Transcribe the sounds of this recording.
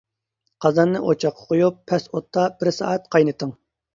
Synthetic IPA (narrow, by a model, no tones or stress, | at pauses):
qʰɑzɑnːɨʔot͡ʃʰɑqʰːɑ̥qʰojupʰːɛsot̪ʰːɑb̥ɪɾsɑ̰ːɛt̪̚qʰɑjnɨt̪ʰɨŋ